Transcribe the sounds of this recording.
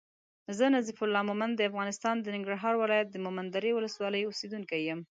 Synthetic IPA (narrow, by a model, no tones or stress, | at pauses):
zənazifʊlːɑmomand̪əafɣɑnɪst̪ɑnd̪ənɪŋɡɾaɦɑɾwɪlɑjat̪̚d̪əmʊmand̪aɾewʊləswɑləjosed̪unkajəm